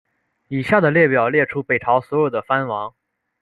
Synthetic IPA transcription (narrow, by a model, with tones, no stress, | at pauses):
i˨˩ɕja˥˩d̪ə˩ljɛ˥˩pjɑ˨˩ʊljɛ˥˩ʈ͡ʂʰu˥pe˨˩ɪʈ͡ʂʰɑ˧˥ʊswɔ˧˥jo˨˩ʊd̪ə˦fa˥nwɑ˧˥ŋ